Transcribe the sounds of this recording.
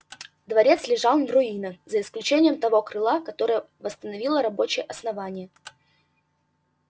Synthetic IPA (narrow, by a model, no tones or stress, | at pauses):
d̪vɐɾʲe̞t̪slʲɪʐɑlˠnrʊinəzəɪsklʲʉt͡ɕenʲɪjəmt̪ɐvo̞kɾɨlˠakɐt̪o̞ɾəjə | vəst̪ənɐvʲilˠəɾɐbo̞t͡ɕɪjəʔɐsnɐvanʲɪjə